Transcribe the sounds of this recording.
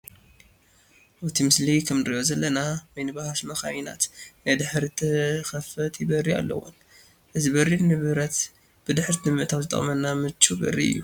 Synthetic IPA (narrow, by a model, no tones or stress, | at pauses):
ʔawt̪ʰimɨslikʰɐmnɨɾijozɐlːɐnawɔjnɨbahaʃmɐxajina̰t̪najd̪ɨħɾit̪ʰɐxɐfɐt̪ʰibɐria̰lːɐ̰wo̰n | ʔɨzibɐrːinːɨβɨɾɐt̪ | b̥ɨd̪ɨħɾt̪ʰɨmɨʔt̪ʰawzɨt̪ʼɐ̰mɐnːamɨt͡ʃːubɐ̰rːḭɨ̰jːu